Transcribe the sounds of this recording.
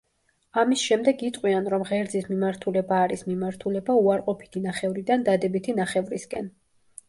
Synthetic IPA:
amisʃɛmd̪ɛɡit̪ʼqʼwianɾɔmʁɛɾd̪zismimaɾt̪ʰulɛbaːɾismimaɾt̪ʰulɛbauaɾqʼɔpʰi̥t̪ʰinaχɛvɾid̪and̪ad̪ɛbit̪ʰinaχɛvɾiskʼɛn

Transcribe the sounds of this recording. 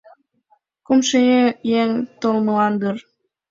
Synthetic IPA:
kumʃejejeŋt̪olməlɑnd̪ər

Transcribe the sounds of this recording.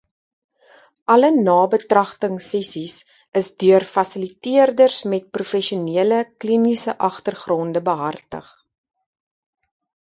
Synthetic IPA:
ʔɐlənɑːbətrɐχtəŋsɛsis | əsdyərfɐsəlitiərdərsmɛt̚prufɛʃiuniələklinisəʔɐχtərχrɔndəbəɦɐrtə̰χ

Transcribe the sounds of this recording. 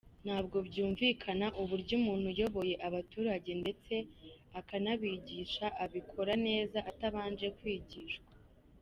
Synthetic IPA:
n̥haːb̚ɡo̞bɟuːɱviːkʰanaʔuβuɾɟumuːn̥hujo̞βo̞je̞ʔaβatuːɾaɟe̞nde̞t͡se̞akanaβiːɟiʃaʔaβikʰo̞ɾane̞ːzaʔataβaːnd͡ʒe̞kwiːɟiːʃkwḁ

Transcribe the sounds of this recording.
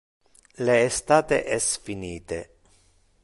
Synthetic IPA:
leːst̪aːt̪ḛʔɛsfiniːt̪e

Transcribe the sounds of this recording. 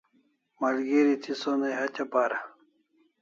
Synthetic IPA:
mɐlɡiɾit̪ʰisonɐjɦɐt͡ɕɐpaːɾɐ

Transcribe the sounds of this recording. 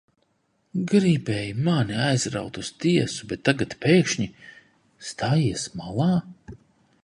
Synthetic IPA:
ɡɾibʲɛjmaniajzɾa̰wt̪ust̪iɛsubɛt̪ːaɡat̪peːkʃɲi | st̪ʰaːjiɛsmalˠɑː

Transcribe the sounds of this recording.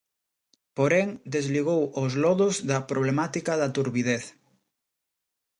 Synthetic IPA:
poɾeŋd̪ezliɣowozlɔðʊzðɐpɾoβ̞lemat̪ikɐðɐt̪uɾβiðeθ

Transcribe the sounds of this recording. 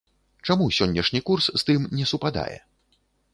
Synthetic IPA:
t͡ʂamusʲɔnʲːɛʂnʲikursːt̪ɨmnʲɛsupad̪a̰jɛ̰

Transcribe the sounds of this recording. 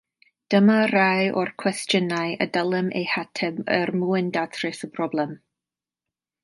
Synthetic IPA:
d̥əmaɾajɔrkʰw̥ɛstjənajə̰dəlˠɛmḛjhatʰɛmərmuɨndatʰrɪsəpʰrɔblˠɛm

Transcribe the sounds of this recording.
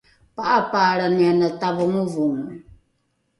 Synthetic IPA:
paʔapaɾanianat̪aβuŋuvuŋ

